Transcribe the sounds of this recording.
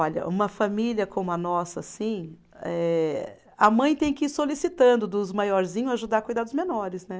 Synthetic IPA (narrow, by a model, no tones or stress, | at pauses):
ɔʎɐ̰ʔũmɐfamiljɐkʰõmʊɐnɔsɐsĩ | ɛ | ɐmɐ̃j̃t̪ẽj̃kɪiɾsolisit̪ɐ̃nd̪ʊd̪ʊzmajɔɾzĩɲʊaʒud̪aɾkujd̪ad̪ʊzmenɔɾɪznɛ